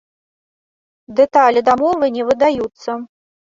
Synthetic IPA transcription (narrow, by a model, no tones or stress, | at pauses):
d̪ɛt̪alʲid̪amɔvɨnʲɛvɨd̪ajut̪sːɐ